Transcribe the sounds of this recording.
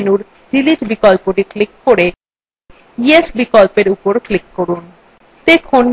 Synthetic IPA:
nuɾ | ɖiliʈbikolpoʈiklikːoɾe | iesbikolpeɾupoɾklikːoɾun | t̪ekʰon

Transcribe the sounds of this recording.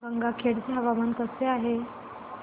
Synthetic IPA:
ɡəŋɡakʰeɽt͡ɕeɦəʋamənkəseaɦe

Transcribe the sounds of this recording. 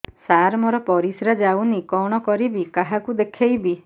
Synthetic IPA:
saɾmɔɾɔpɔɾisɾad͡ʒawnikɔɽ̃ɔkɔɾibikaɦakud̪ekʰejbi

